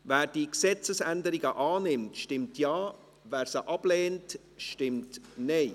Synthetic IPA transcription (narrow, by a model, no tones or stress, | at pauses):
vɛːɾd̥iksɛt͡səsɛndəɾiɡəʔɑːnɪmtʃtɪmtjɑː | vɛːɾsəʔɑb̥leːnt | ʃtɪmtneɪ